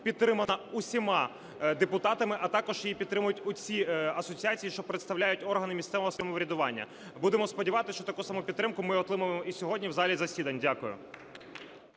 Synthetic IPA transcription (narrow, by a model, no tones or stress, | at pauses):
pʲid̪t̪ːɾɪmɐnɐʊsʲimɑ | d̪epʊt̪ɑt̪ɐmɪʔɐt̪ɑkɔʒ̥jipʲid̪t̪ːɾɪmʊjʊtʲʊt͡sʲiɐsɔt͡sʲiat͡sʲijiʃt͡ʃɔpɾet̪st̪ɐwlʲajʊtʲɔrɦɐnɪmʲist̪sɛʋɔɦɔsɔmɔʋɾʲɐd̪ʊʋɑnʲːɐ̰ | bud̪emɔspɔdʲiʋɑt̪ɪsʃt͡ʃɔt̪ɐkusɑmupʲid̪ːɾɪmkʊmɪɔt̪ˠɪmʊʋemɔisʲɔɦɔdʲnʲiwzɑlʲizɐsʲid̪ɐnʲdʲakʊjʊ̰